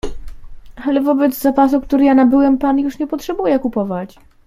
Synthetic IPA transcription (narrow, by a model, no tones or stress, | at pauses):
alɛvɔbɛd̪zzapasukt̪uɾɘjanabɘwɛmpanjuʂɲɛpɔtʂɛbujɛkupɔvat͡ɕ